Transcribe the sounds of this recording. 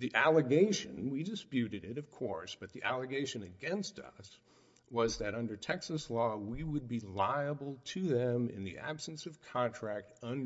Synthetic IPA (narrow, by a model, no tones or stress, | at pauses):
ðiʔælˠəɡeɪʃɨ̰̃nwidɨspjʉɾɨɾɪɾʌv̥kʰɔ̰ɹsb̥ʌt̪̚ðiʔælˠɨɡeɪʃɨ̃nɨɡɛ̃nstʰʌ̰s | wʌzðɨɾʌ̃ndə˞tʰɛksɨslɔwiwəd̚bilaɪəbl̩ˠtʰɨðɨ̃mɪ̰̃nðḭʔæ̰b̥sn̩sʌv̥kʰɑ̃ntʰɹ̥æk̚tʌ̃n